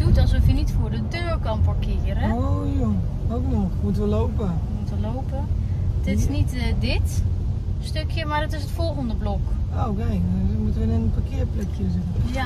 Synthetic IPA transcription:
d̥utɔlˠsɔfjənitfoːrdədøːɹkɔnpɔɹkɪərəojo | owknɔxmutəʋəlowpəmutəʋəlowpətɪɪsnitdɪt | støkʰjəmaɹdɔtɪsətfɔlˠɣəndəblɔkokɛjmutəʋəɪnənpakɪəplɛkʰjəzɪtən

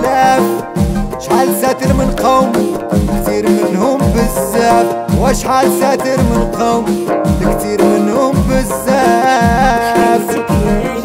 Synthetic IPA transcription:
læb | ʃħaːlsæt̪əɾmənqɑwmkt̪iːɾmɪnhʊmbɪzːæbwæʃħalsæːt̪əɾmənqɑwmlkt̪iːɾmɪnhʊmbɪzːa | b

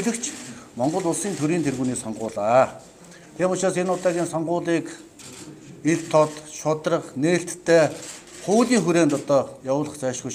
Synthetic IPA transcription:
ɮɘ̆kt͡ɕʰmɔɴɢɞ̆ɮʊɮsiːnt̪ʰɵɾiːnt̪ʰerɣuːniːsɔɴɢʊːɮaː | t̪ʰiːmʊt͡ɕɾaːsenʊt̪aːɣʲiːnsɔɴɢʊːɮiːk | iɮt̪ʰɔt̪ʃʊt̪rə̆qneːɬt̪ːʰeː | χʊːɮiːŋxuɾeːnt̪ɔt̪ɔːjawʊːɮə̆χt͡sæːʃɡuj

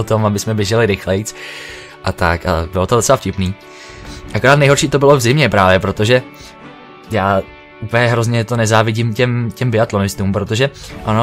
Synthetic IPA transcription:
ot̪o̞mabɪsmɛbjɛʒɛlɪɾɪxlɛjt͡s | ʔat̪aka̰bɪlot̪odtt͡sɛlafcɪpniː | ʔakoɾaːt̪nɛjɦoɾʃiːt̪obɪlo̞vzɪmɲɛpɾaːvjɛpɾot̪oʒɛ | jaː | upəjɛɦɾo̞zɲɛt̪o̞nɛzaːvɪɟɪmcɛmcɛmbɪat̪lo̞nɪst̪uːmpɾot̪oʒɛʔano

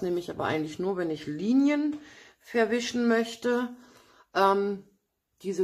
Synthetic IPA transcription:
neːməɪçʔaːbɐʔa̰ɪɡŋ̩tlɪçnuːɐvɛnɪçliːnjən | fɛɐvɪʃn̩mœçtə | ʔɛːm | d̥iːzə

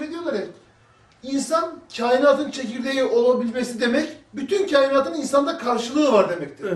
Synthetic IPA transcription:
ɾed̪ijolˠaɾɛ | insancʰaːjinaːt̪ʰɯnt͡ʃʰe̞ciɾd̪ejio̞lˠabilʲme̞sid̪e̞mɛcbyt̪ʰyncʰaːjinaːt̪ɯninsand̪akʰaɾʃɯlˠɯːvaɾd̪e̞mɛc̚t̪ʰiɾ

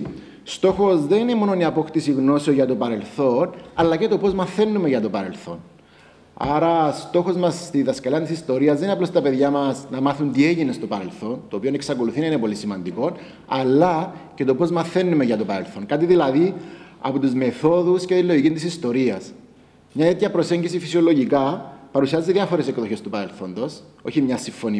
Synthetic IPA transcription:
st̪o̞xo̞zðe̞ninemo̞noniɐpo̞kt̪isiɣno̞seoʝɐt̪o̞pɐɾe̞lθo̞nɐlːɐce̞t̪o̞po̞zmɐθe̞nːumeʝɐt̪o̞pɐɾe̞lθo̞̰n | ɐ̰ɾɐst̪o̞xo̞zmɐst̪iðɐskɐliɐnt̪isist̪o̞ɾiɐzðeinɐplost̪ɐpeðʝamɐsnɐmɐθunt̪ie̞ʝine̞st̪o̞pɐɾe̞lθo̞nt̪o̞ːpioneksɐko̞luθinɐinepo̞lisimɐnd̪iko̞n | ɐlːɐce̞t̪o̞po̞zmɐθe̞nːumeʝɐt̪o̞pɐɾe̞lθo̞ŋkɐt̪iðilɐði | ɐ̰pot̪uzme̞θo̞ðuscet̪ilːo̞ʝikint̪isist̪o̞ɾiɐs | mɲɐt̪et̪çɐpɾo̞se̞ɲɟisifisio̞lo̞ʝikɐpɐɾusiɐzːeðjɐfo̞ɾe̞sekðoçe̞st̪upɐɾe̞lθo̞nd̪oso̞çimɲɐsiɱfo̞ni

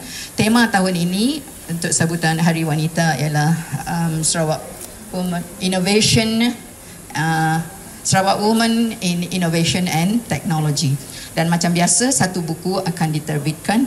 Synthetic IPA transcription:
t̪emãt̪aɦʊninĩ | unt̪ʊk̚sabut̪anɦaɾiwanit̪aḭalahəmsɾawaʔ | wumə̃ninoveʃɔn | sɾawaʔwumə̃nininoveʃɔnɛ̃nt̪ɛk̚nɔlod͡ʒi | danmãt͡ʃambiasəsat̪ubukuakandit̪ərbit̪̚kan

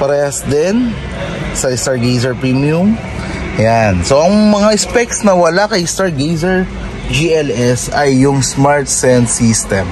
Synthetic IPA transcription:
pɐɾɛhɐsd̪ɛn | sɐɪst̪aɹɡejs̬ɛɹpɹimjʊm | jansoʔɐŋmɐŋaʔɪspɛk̚snɐwɐlakɐjɪst̪aɹɡejsɛɹ | d͡ʒiɛlɛsɐjːʊŋsmaɹt̪̚sɛnsist̪ɛm

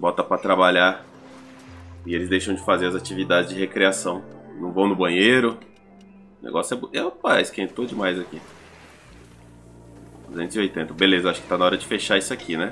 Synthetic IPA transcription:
bɔt̪ɐpɾɐt̪ɾabaʎaɾ | ɪelɪzd̪ejʃɐ̃w̃d͡ʒɪfazeɾɐzat͡ʃivid̪ad͡ʒɪzd͡ʒɪhekɾiasɐ̃w̃nɐ̃w̃vɐ̃w̃nʊbɐ̃ɲeɾʊ | nḛɡɔsʊɛboewpajskẽt̪od͡ʒɪmajzaki | ʊzẽnʊziojt̪ẽt̪ɐbelezɐaʃʊkɪ̥t̪anaɔɾɐd͡ʒɪfeʃaisʊakʰinɛ

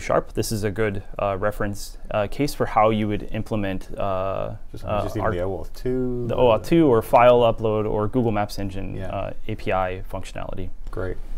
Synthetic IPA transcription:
ʃɑ̰ɹp̚ðɪsɨzɨɡʊdɹɛfɹɨ̃ns | kʰeɪsfə˞haʊjɨwɨɾɪ̰̃mpʰləmɛ̃nt | otʰʉðiʔoʊɔtʰʉə˞faɪlˠʌploʊɾə̰˞ɡuɡl̩ˠmæpsɛ̃nd͡ʒɨ̃n̰eɪpʰiaɪfʌ̃ŋkʃɨnæ̰lˠə̰ɾiɡ̥ɹeɪt̚

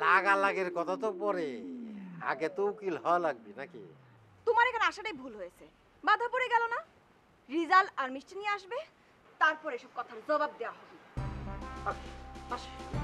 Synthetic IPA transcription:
laɡalaɡeɾkɔt̪ʰat̪opɔɾe | a̰ɡet̪oukilɦɔelaɡ̚binakḭ | t̪omaɾekʰaneaʃaʈajbʱulɦojet͡ɕʰe | bad̪ʱapoɾeɡɛlona | ɾizalaɾmiʃʈinijeaʃbe | t̪aɾpɔɾejʃɔb̚kɔt̪ʰaɾzɔbab̚d̪ewaɦɔbe | okebaʃa

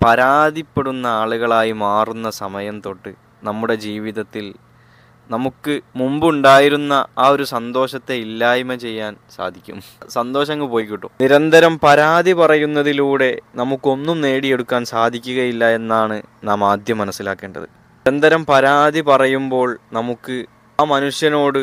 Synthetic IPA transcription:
pɐɾaːd̪ʱipːeɽunːɐaːɭuɣɐɭaːjimaːrunːɐsɐmɐjɐmt̪o̞ːʈːɨ | nɐmːuɽe̞d͡ʑiːʋiðɐt̪ːil | nɐmukːɨmumbuɳɖaːjiɾunːɐaːo̞ɾusɐnd̪o̞ːɕɐt̪ːe̞ilːaːjimɐt͡ɕe̞jːaːnsa̰ːd̪ʱikʲːṵm | sɐnd̪o̞ːɕɐŋːɐpo̞ːjikːiʈːṵniɾɐnd̪ɐɾɐmpɐɾaːd̪ʱipɐrɐjunːɐðiluːɽe̞nɐmukːo̞nːumne̞ːɽije̞ɽukːaːnsaːd̪ʱikʲːuɣɐjilːɐe̞nːaːɳɨnaːmaːd̪ʱjɐmːɐnɐsːila̰ːkːe̞ːɳɖɐ̰ðɨ̰ | ɐnd̪ʱɐɾɐmpɐɾaːd̪ipɐrɐjumbo̞ːɭnɐmukːɨ | aːmɐnuʂjɐno̞ːɽɨ

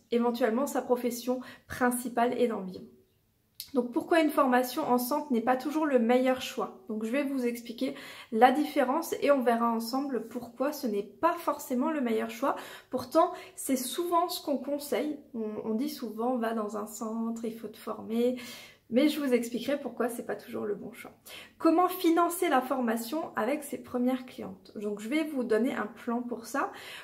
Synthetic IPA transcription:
evɑ̃t̪ɥɛlmɑ̃sapχɔfɛsjɔ̃pχɛ̃sipaled̪ɑ̃bjɛ̃ | d̪ɔ̃k̚puʁkwaynfɔʁmasjɔ̃ʔɑ̃sɑ̃tnɛpat̪uʒuʁləmejœʁʃwad̪̥ɔ̃kʒəvɛvuzɛksplikʲelad̪ifeʁɑ̃seɔ̃vɛʁaɑ̃sɑ̃bləpuʁkwasənɛpafɔʁsemɑ̃ləmejœʁʃwapuʁt̪ɑ̃sɛsuvɑ̃sə̥kɔ̃kɔ̃sɛjɔ̃ɔ̰̃d̪isuvɑ̃vad̪ɑ̃zɛ̃sɑ̃t̪χilfot̪ə̥fɔʁme | mɛʒəvuzɛksplikʁɛpuʁkwasɛpat̪ʰuʒṵʁləbɔ̰̃ʃwa̰kɔmɑ̃finɑ̃selafɔʁmasjɔ̃avɛksepχəmjɛʁklijɑ̰̃t̪d̪ɔ̃kʒəvɛvud̪ɔneʔɛ̰̃plɑ̃puʁsa

